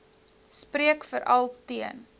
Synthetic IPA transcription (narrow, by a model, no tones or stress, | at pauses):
spriəkfəɾʔɐlˠtiən